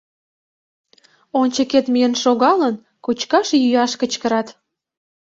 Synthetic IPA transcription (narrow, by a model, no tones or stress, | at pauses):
ont͡ɕəket̪mijənʃoɣɑlən | kut͡ɕkɑʃjyjɑʃkət͡ɕkəɾɑt̪